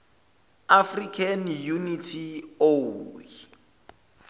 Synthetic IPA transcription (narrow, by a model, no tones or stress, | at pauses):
afrikʰanjunitʰioi